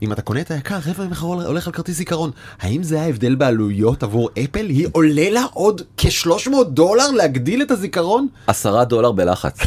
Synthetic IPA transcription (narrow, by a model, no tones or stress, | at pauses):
ʔimat̪ako̞neet̪ajakaʁːevameχaʁʔo̰le̞χalkaʁt̪izikaʁo̞n | haimzeajaevd̪e̞lbealujo̞tavuʁepe̞lhiʔo̞le̞laʔo̞dkʰe̞ʃlo̞ʃmo̞ːt̚d̪o̞laʁleaɡdile̞tazikaʁo̞nasaʁado̞laʁbela̰χa̰t͡s